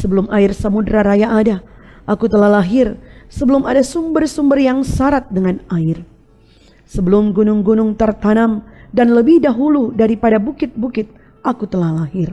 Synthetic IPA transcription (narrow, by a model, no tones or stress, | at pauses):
səbəlumaɪrsəmudɾaɾajaʔːdaʔakut̪əlahlaɦɪrsəbəlʊmadasumbərsumbərjaŋsaɾat̪̚dəŋanaɪr | səbəlʊmɡunʊŋɡunʊŋt̪ərt̪anamdanləbɪhdaɦuludaɾipadabukɪt̪̚bukɪt̪̚ | ʔakut̪əlahlaɦɪr